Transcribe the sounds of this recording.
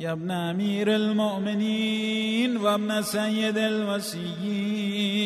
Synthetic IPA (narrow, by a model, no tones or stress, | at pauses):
jɐbnamiːɾɐlmoʔminiːnʋɐbnɐsɐjɐd̪elmɐsiji